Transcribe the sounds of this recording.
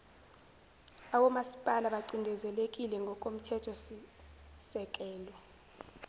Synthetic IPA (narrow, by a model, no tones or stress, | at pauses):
awɔmasi̥pʼalaɓaǀindʱɛzɛlek̬ʼilɛŋɡʱɔkʼom̩tʰɛtʰɔsisɛk̬ʼɛːlɔ